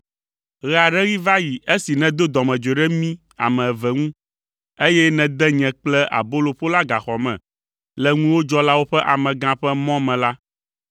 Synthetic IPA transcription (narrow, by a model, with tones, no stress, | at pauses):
ɣɛ˨a˨ɖɛ˦ɣi˦va˦ji˨e˦si˨nɛ̃˨d̪o˦d̪ɔ˨mɛ̃˨d͡ʒo˨ɖɛ˦mĩ˦ | a̰˨mɛ̃˨vɛ˨ŋũ˦ | e˦jɛ˦nɛ̃˨d̪ɛ˦ɲɛ̃˨k͡plɛ˦ʔa̰˨bo˦lo˨ɸo˦la˦ɡa˨xɔ˨mɛ̰̃˨ | lɛ˦ŋũ˦wo˦d͡ʒɔ˦la˦wo˦ɸɛ˦ʔa˨mɛ̃˨ɡã˦ɸɛ˦mɔ̃˦mɛ̃˨la˦